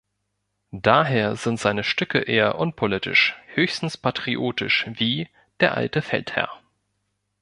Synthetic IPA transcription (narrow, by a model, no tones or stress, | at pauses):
d̥aːɦeːɐzɪntz̥aɪnəʃtʏkə̰ʔeːɐʔʊnpʰolɪtɪ̰ʃhøːçstn̩spʰatʁ̥iʔoːtʰɪ̰ʃviː | d̥eːɐʔa̰ltəfɛ̰lthɛ̰ɐ